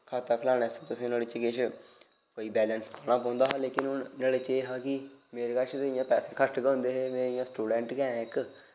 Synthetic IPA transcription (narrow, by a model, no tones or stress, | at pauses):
kʰaːt̪aːkʰəlaːɽeːsːt̪ʊsĩːnaːlet͡ʃɡɪʃʰ | koːiːbɛːlənspaːñãːpɔ̃ːnd̪aːɦaːleːkɪnʊnnaːleːt͡ʃeːɦaːkɪmeːɾeːkat͡ʃʰt̪eɪjãːpɛːseːkʰəʈɡə̃ːʊnd̪eːɦeːmɛ̃ːɪjãːsʈuːɖɛ̃ːɳʈɡɛ̃ːɪk